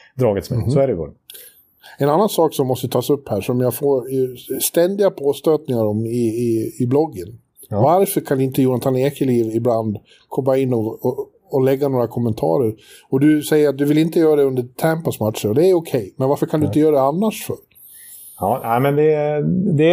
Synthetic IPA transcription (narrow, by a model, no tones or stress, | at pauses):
d̪ɾɑːɡət̪smɛsɔæɾɛɡo̰ː | ɛnanːansɑːksɔmːɔst̪əət̪ʰɑːsɵpːhæːʂɔmjaɡfoːɾst̪ɛnd̪ɪɡapʰoːst̪øːt̪nɪŋaɾɔmɪɪːblɔɡːən | vaɾfœɾkʰand̪ɛɪnt̪əjuːant̪ʰaneːkʰəɭiːvɪbland̪ | kʰɔmːaɪnːɔɔː | lɛɡːanoːɾakʰɔmːənt̪ʰɑ̰ːɾəɾ | ɔd̪ɵsɛjːəɾat̪̚d̪ɵvɪlɪnt̪əjœːɾad̪ɛɵnd̪əɾt̪ʰæmpasmat̪ʂəɾɔd̪ɛːɾɔkʰɛjmɛnvaɾfəɾkʰand̪ɵɪnt̪əjœːɾad̪ɛanːaʂfœɾ | ɑːnæɪmɛnd̪ɛd̪ɛ